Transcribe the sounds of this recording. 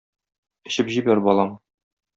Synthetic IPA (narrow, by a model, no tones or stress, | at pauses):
ɘ̆ɕɘpʑibæɾbɒlˠɑm